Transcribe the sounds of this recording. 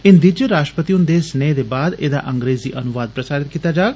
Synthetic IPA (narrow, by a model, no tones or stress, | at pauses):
ɪnd̪it͡ʃɾaːʃʈɾəpət̪iʊnd̪eːsəneːd̪eːbaːd̪eːd̪a̰ːʔəŋɡɾeːziːʔənʊʋaːd̪̚pɾəsaːɾɪt̪̚kiːt̪aːd͡ʒaːɡ